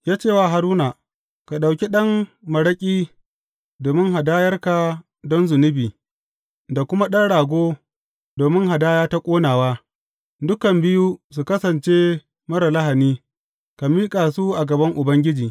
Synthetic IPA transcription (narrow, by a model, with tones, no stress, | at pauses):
jaː˦t͡ʃeː˦˨waː˦˨ɦa˨ɾuː˦naː˨ | ka˨ɗa˨wkʲi˦ɗɐ˦mmɐ˨ɽɐ˦kʲʼiː˦ | doː˨mɪ˦ŋɦa˨daː˦jɐ˦rka˨ | dɔ˦nzʊ˨nɪ˦biː˨ | da˨kʷʊ˦ma˦ɗɐ˦nɽaː˨ɡʷoː˦ | doː˨mɪ˦ŋɦa˨daː˦jaː˦ta˦kʷʼoː˦naː˨waː˦ | dʊ˦kɐ˨mbɪ˦juː˦s̬u˨kɐ˦sɐ˨nt͡ʃeː˦ | mɐ˦ɾa˨la˦ɦa˨niː˦ | ka˨miː˦kʼaː˨su˦ʔa˨ɡɐ˨bɐ˦ŋʔʊ˨bɐ˦ŋɡʲɪ˦d͡ʒiː˨